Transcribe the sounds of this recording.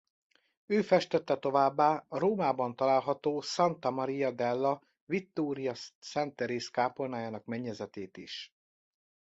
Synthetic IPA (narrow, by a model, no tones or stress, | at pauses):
øːfɛʃt̪ɛt̪ːɛt̪o̞vaːbːaːɾoːmaːbɒnt̪ɒlaːlɦɒt̪oːsɒnt̪ɒmɒɾijɒd̪ɛlːɒ | vit̪ːoːɾijɒsɛnt̪ɛɾeːskaːponaːjaːnɒkmɛɲːɛzɛt̪eːt̪iʃ